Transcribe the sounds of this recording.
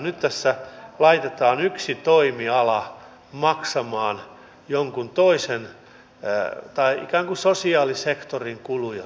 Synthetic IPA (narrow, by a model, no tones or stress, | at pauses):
nyt̪t̪æsːælɑit̪et̪ɑːnyksit̪oimiɑlɑ | mɑksɑmɑːn | joŋkunt̪oisen | t̪ɑiʔḭkæːŋkusosiɑːlisekt̪oriŋkulujɑ